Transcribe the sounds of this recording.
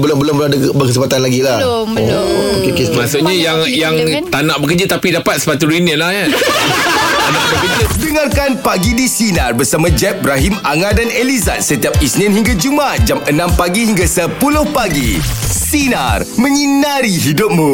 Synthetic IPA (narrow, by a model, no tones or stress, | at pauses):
bəlʊmbəlʊmbəladəkbəkəs̬əpat̪anlaɡila | okekemasʊkɲajaŋjaŋt̪anãʔbək̬ərd͡ʒat̪apidapat̪̚sə̥pat̪̬uɾinəlahja | anaʔbəkədəŋarkanpaɡidisinarbərsamãd͡ʒɛp̚bɾaɦimaŋadaneliza̰n̚sət̪iap̚isnɪ̃nhiŋɡad͡ʒumat̪̚d͡ʒamənãmpaɡihiŋɡasəpulʊhpaɡḭsina̰rmə̃ɲinaɾiɦidʊp̚mũ